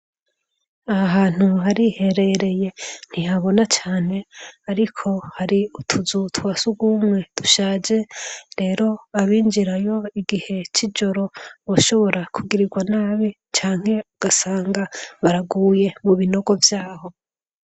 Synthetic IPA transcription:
aɦaːn̥uɦaɾihe̞ɾe̞ɾe̞je̞n̥ihaβo̞nat͡ʃaːne̞aɾikʰo̞haɾiutʰuzutʰwasuɡwumŋe̞d̥uʃaːd͡ʒe̞ɾe̞ːɾo̞aβiːnd͡ʒiɾajo̞iɡihe̞t͡ʃid͡ʒoɾo̞βoʃo̞βo̞ɾakʰuɡiɾiɡwanaːβi | t͡ʃaːŋ̥he̞uɡ̥asaːŋɡaβaɾaɡuːje̞muβino̞ɡo̞vjaːho̞

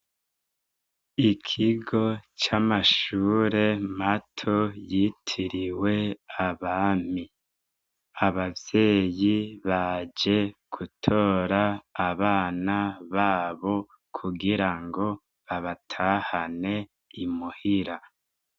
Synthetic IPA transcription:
ikʰiɡo̞t͡ʃamaʃuːɾe̞matʰojitʰiɾiwe̞aβaːm̥i | aβavje̞ːjiβad͡ʒe̞ɡ̥utʰo̞ːɾaːβaːnaβaːβo̞ | kʰuɡiɾaŋɡo̞ | βaβatʰahane̞ | imuhiɾa

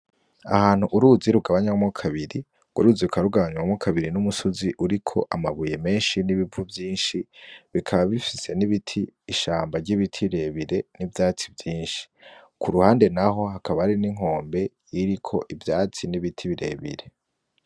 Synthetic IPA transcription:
a̰haːn̥huʔuɾuziɾuɡaβaɲamokʰaβiɾi | ɡ̥wa̰ɾuːziukaɾuɡaβaɲawamokʰaβiɾinumusoziʔuɾikʰo̞̰ʔamaβuje̞me̞ːnʃiniβivuvjiːnʃiβikʰaβaβifise̞niβitʰiːʃaːmbaɾɟiβitʰiβiɾe̞βiɾe̞nivjaːt͡sivjiːnʃi̥ | kuɾuhaːnde̞naɦo̞ɦakaβahɾiniŋ̥o̞ːmbe̞ | jiɾikʰo̞ʔivjaːt͡siniβitʰiβiɾe̞̰βḭɾe̞

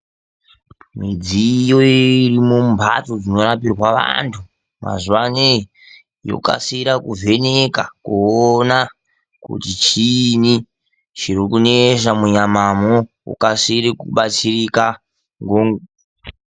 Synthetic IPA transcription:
mid͡zijo̞irimombʱa̰tod͡zino̞ɾapirwaʋa̰ntʰu | ma̰zuʋane | jo̰ka̰siɾakuvʱe̞nekakuona | kṵtit͡ʃini | t͡ʃirikuneʃamuɲamamo | ṵkasiɾikuɓat͡sirika | ŋɡoːŋɡo

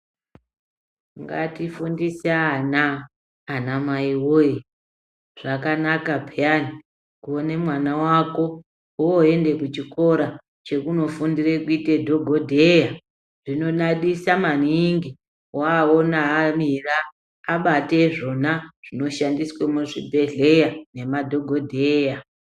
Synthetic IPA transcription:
ŋɡa̰tifundisaːnaː | namaiwoi | ʐ̥akanakapijani | kuone̞mwanawako̞ | uoe̞nde̞kut͡ʃiko̞ɾa | t͡ʃe̞kuno̞fundirekuitedʱo̞ɡʱodʱeja | ʐino̞naɗisamaniŋɡi | waonaːmiraː | ɓate̞ʐo̞naʐ̥ino̞ʃandiswemuʐḭbʱe̞ɮe̞jane̞madʱo̞ɡʱodʱeːja

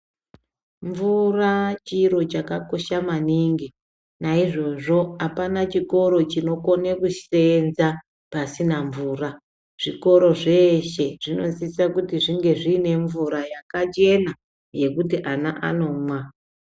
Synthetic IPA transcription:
ɱvurat͡ʃiɾo̞t͡ʃakako̞ʃamaniːŋɡi | naiʐo̞ʐo̞apanat͡ʃiko̞ɾo̞t͡ʃino̞ko̞nekuʃe̞nza | pasinaɱvuːra | ʐ̥iko̞ɾo̞ʐe̞ʃe̞ʐ̥ino̞ziisakutiʐiŋɡe̞ʐiːne̞ɱvuɾajakat͡ʃe̞na | je̞kutiʔanaʔa̰no̞ːmwa

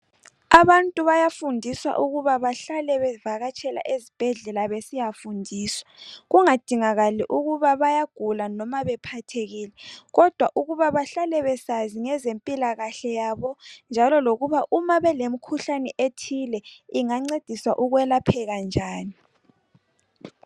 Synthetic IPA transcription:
aβantʼuβajafundʱiswa̰ʔuɣuβaβaɬalɛβɛvaɣat͡ʃʰʼɛla̰ʔezib̥ʱɛɮɛlaβesijafundʱiːswḁɣuŋad̥ʱiŋaɣaliʔuɣuβaβajaɡ̥ʱulanɔmaβɛpʰatʰeɣiːlɛɣɔd̥ʱwaʔuɣuβaβaɬalɛβɛsaziŋɛzempʼilaɣaɬɛjaːβɔnd͡ʒʱalɔloɣuβaʔumaβɛlemikʰuɬanɛʔetʰilɛiŋaŋ͡ǀed̥ʱiswa̰ʔuɣwɛlapʰɛɣand͡ʒʱaːni

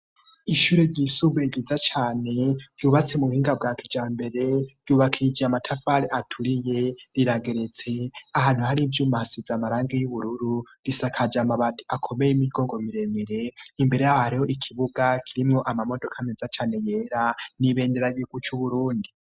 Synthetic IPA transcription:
iʃuɾeɾɟisuβeɡizat͡ʃaːne̞ɾɟuːβat͡se̞muuhiːŋɡab̚ɡaːkʰid͡ʒaːmbe̞ɾe̞ɾ̥ɟjuːβakʰid͡ʒeamatʰafaɾeʔatʰuɾije̞ɾiɾaɡe̞ɾe̞t͡se̞ahaːn̥huhaɾivjuːmasizamaɾaːŋɡejuβuɾuɾuɡ̥isakʰad͡ʒamaβati̥akʰo̞mejimiɡoːŋɡo̞miɾe̞meɾe̞imbe̞ɾejahaɾiho̞ʔikʰiβuɡakʰiɾimŋo̞ʔamamo̞do̞kʰamezat͡ʃaːne̞je̞ːɾaniβe̞ːndeɾajiɡ̥ut͡ʃuβuɾuːndi

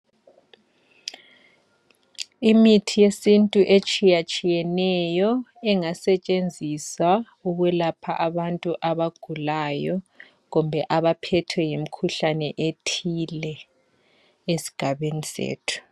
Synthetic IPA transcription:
imitʰijesintʼuʔet͡ʃʼijat͡ʃʼijɛnɛjɔɛŋasɛt͡ʃʼend͡zʱisa | uɣwɛlapʰaʔaβantʼuʔaβaɡ̥ʱulajɔ | ɣumbʱɛʔaβapʰɛtʰwɛjim̩kʰuɬanɛʔetʰilɛ | esi̥ɡ̥ʱaβenisḛːtʰu̥

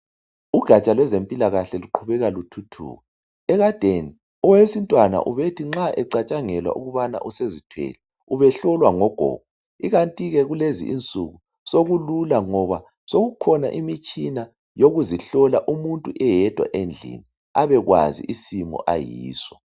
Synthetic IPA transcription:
uɡ̥ʱat͡ʃʼalwɛzempʼilaɣaɬɛluǃʰuβɛɣalutʰutʰṵːɣɔ | ɛɣad̥ʱeni | ɔwesintʼwana̰ʔuβetʰiŋ͡ǁaʔɛǀat͡ʃʼaŋɛlwa̰ʔṵɣuβana̰ʔusezitʰwɛ̰lɛ | uβɛɬɔlwaŋɔɡ̥ʱɔ̰ːɡ̥ʱɔ | iɣantʼiɣɛɣulezḭʔint͡sʼuɣu | soɣululaŋɔβa | soɣukʰɔna̰ʔimit͡ʃʼina | joɣuziɬɔlaʔumuntʼuʔɛjɛd̥ʱwa̰ʔend͡ɮʱḭni | aβɛɣwa̰zḭʔisimɔ̰ʔa̰jiːsɔ

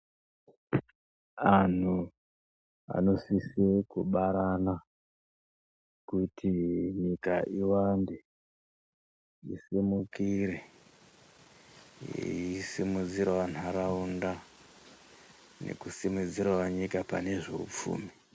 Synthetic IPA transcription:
an̤u | a̰no̞sisekuɓaɾana | kutʰiɲikaʔiwande | ḭsimukiɾe | ḭisimud͡ziɾaʋan̤uaɾaunda | ne̞̰kusimud͡ziɾawaɲikapa̰ne̞ʐe̞̰ṵp͡fṵːmi

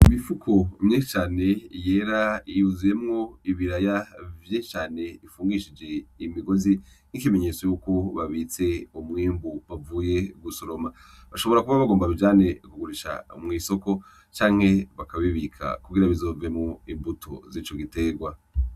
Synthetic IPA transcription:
imifukʰomɲet͡ʃaːne̞je̞ɾaiuzije̞mŋo̞iβiɾajavjet͡ʃaːne̞ifuːŋɡiʃid͡ʒe̞imiɡo̞zi | nikime̞ɲe̞t͡so̞juːko̞βaβit͡se̞omŋiːmbuβavuːje̞ɡusoɾo̞ma | βaʃo̞βo̞ɾakuβaβaɡoːmbaβivd͡ʒaːne̞kuɡuɾiʃa̰mŋiːso̞ko̞ | t͡ʃaːŋ̥he̞βakaβiβikʰa̰kuɡiɾaβizo̞ːvemŋoimbutʰo̰ziːt͡ʃoɡite̞ɡwa

